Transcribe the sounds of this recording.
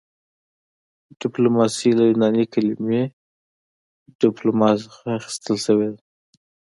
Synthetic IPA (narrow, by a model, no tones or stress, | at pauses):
ɖ̥ɪplomɑsilajunɑnikalime | ɖ̥ɪplomɑsxaːxɪ̥st̪əlʃəwed̪a